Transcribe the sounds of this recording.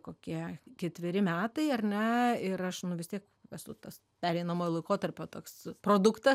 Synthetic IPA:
koːkʲiɛkʲɛt̪ʲʋʲɪɾʲɪmʲæːt̪ɐɪɐrʲnʲɛɪɾɐʃnʊʋʲɪst̪ʲiɛk | ʋʲɛsʊt̪ɐs | pʲæːɾʲɛɪnɐmoːjlˠɐɪkoːt̪ɐɾʲpʲoːt̪oːkspɾoːd̪ʊkt̪ɐ

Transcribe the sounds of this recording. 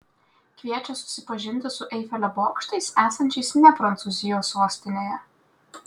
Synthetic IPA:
kʋʲiɛt͡ʃʲɛsʊ̥sʲɪpɐʒʲɪnʲt̪ʲɪsʊʔɛɪfʲɛlʲɛboːkʃt̪ɐɪsæːsɐnʲt͡ʃʲɛɪsnʲɛpɾɐnt̪sʊzʲɪjoːsuɔsʲt̪ʲɪnʲeːjɛ

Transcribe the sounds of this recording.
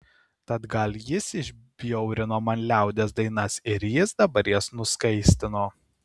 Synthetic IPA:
t̪ɐt̪ɡɐlʲjɪsɪʒʲbʲjɔʊɾʲɪnoːmɐnʲlʲæˑʊd̪ʲesd̪ɐɪnɐsɪɾjɪsd̪ɐbɐɾʲjɛsnʊskɐɪsʲt̪ʲɪnoː

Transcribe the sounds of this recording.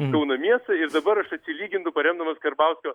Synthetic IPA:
kɐʊnɐmʲiɛst̪ɐɪɾd̪ɐbɐɾɐʃɐt̪ʲsʲɪlʲiːɡʲɪnd̪ʊpɐɾʲɛmd̪ɐmɐskɐɾbɐˑʊsʲkʲoː

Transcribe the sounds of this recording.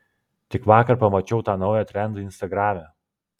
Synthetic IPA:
t̪ʲɪkʋɑːkɐɾpɐmɐt͡ʃʲɛʊt̪ɑːnɒʊjɛt̪ʲɾʲɛnd̪ɐɪnʲst̪ɐɡɾɑːmʲæː

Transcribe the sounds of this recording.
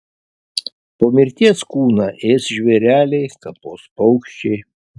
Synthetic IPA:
poːmʲɪɾʲt̪ʲiɛskuːnɑʔeːsʒʲʋʲɛɾʲæːlʲɛɪt̪ɐp̪oːspɐʊkʃʲt͡ʃʲɛɪ

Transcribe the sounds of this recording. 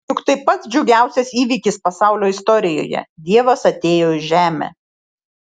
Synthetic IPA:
jʊkt̪ɐɪpɐt̪sd͡ʒʲɛʊɡʲæˑʊsʲɛsiːʋʲiːkʲɪspɐsɑˑʊlʲoːɪst̪ɔɾʲɪjo̰ːjɛ̰d̪ʲiɛʋɐsɐt̪ʲeːjoːɪʒʲæːmʲḛː

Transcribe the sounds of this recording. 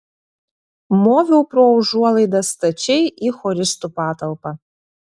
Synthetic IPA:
moːvʲɛwprowʒuɔlˠɨjd̪ɐst̪ɐt͡ʃejixɔɾʲɪst̪upaːt̪ɐlˠpɐ

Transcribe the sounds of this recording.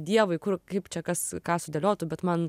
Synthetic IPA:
d̪ʲiɛʋʊɪkʊrkɐɪpt͡ʃʲɛkɐskɑːsʊd̪ʲelʲoːt̪ʊbʲɛt̪mɐn

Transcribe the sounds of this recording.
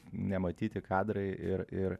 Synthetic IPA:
nʲɛmɐt̪ʲiːt̪ʲɪkʰɑːd̪ɾɐɪʔɪɾɪɾ

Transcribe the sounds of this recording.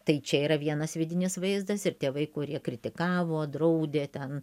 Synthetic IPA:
t̪ɐɪt͡ʃʲɛiːɾɐʋʲiɛnɐsʋʲɪd̪ʲɪnʲɪsʋɐɪzd̪ɐsɪɾt̪ʲeːʋɐɪkʊɾʲiɛkɾʲɪt̪ʲɪkɑːʋoːd̪ɾɐʊd̪ʲeːt̪ʲɛn

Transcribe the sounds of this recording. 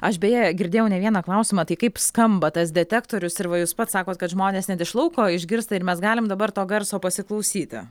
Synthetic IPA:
ɐʃbʲɛjɛɡʲɪɾʲd̪ʲeːjɛʊnʲɛʋʲiɛnɐklˠɐʊsʲɪmɐt̪ɐɪkɐɪpskɐmbɐt̪ɐs̬d̪ʲɛt̪ʲæːkt̪oːɾʲʊsɪɾʋɐjuːspɐt̪sɑːkoːt̪kɐt̪ʒmoːnʲeːsnʲɛt̪ɪʃlˠɐʊkoːɪʒʲɡʲɪɾst̪ɐɪɾmʲɛsɡɑːlʲɪmd̪ɐbɐɾt̪oːɡɐɾsoːpɐsʲɪklˠɐʊsʲiːt̪ʲɪ̰

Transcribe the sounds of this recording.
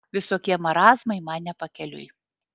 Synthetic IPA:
ʋʲɪsoːkʲiɛmɐɾɑːzmɐɪmɑnnʲɛpɐkʲɛlʲʊ̰j

